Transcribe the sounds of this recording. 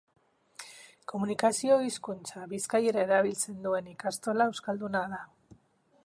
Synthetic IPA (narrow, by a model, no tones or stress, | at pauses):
ko̞munikasio̞iskunt͡saβiskaje̞ɾae̞ɾaβ̞ilt͡se̞nd̪ue̞nikast̪o̞laewskald̪unaða